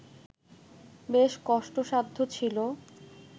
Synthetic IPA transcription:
beʃkɔʃʈoʃad̪ʱːot͡ɕʰilo

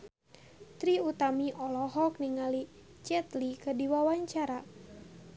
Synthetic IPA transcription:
t̪ɾiut̪amiʔɔlɔɦɔk̚niŋali | t͡ʃɛt̪likədiwawaɲt͡ʃaɾa

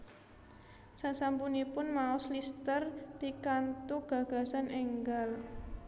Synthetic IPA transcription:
sasampunipʊnmaʊslist̪ərpikant̪uɡ̥a̤ɡ̥a̤sanɛŋɡal

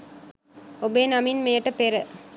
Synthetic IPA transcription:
obeːnɐminmejəʈːɐpeɾə

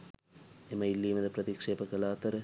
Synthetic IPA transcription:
emɐɪlːiːmɐd̪ɐpɾɐðikʂeːpɐkɐlaːt̪ɐɾɐ

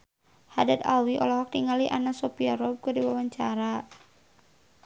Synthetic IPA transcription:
ha̰dat̪a̰wiʔɔ̰lɔɦɔk̚tiŋaliʔa̰nasɔpiaɾɔb̚kədiwawaɲt͡ʃaɾa

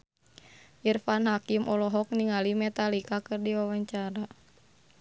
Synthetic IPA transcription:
ʔirfanɦakimʔɔlɔɦɔk̚niŋalimɛt̪alikakɨrdiwawaɲt͡ʃaɾa

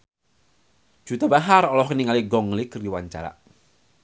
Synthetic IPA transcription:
d͡ʒ̥ut̪abaɦaɾɔlɔhkəniŋaliɡɔŋlikərdiwaɲt͡ʃa̰ɾa̰

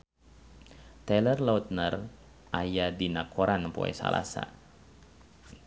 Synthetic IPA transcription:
t̪ɛlərlaut̪̚nər | ʔajadinakʰoɾanpo̰ɛ̰sa̰la̰sa̰

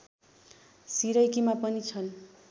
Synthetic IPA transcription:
siɾʌjkimapʌnit͡sʰʌn

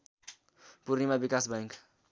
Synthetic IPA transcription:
puɾnimabikasbaŋk

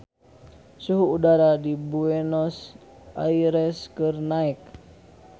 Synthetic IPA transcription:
suɦuːdaɾadibuɛnɔs | ʔa̰iɾɛskɨrnaɛk̚

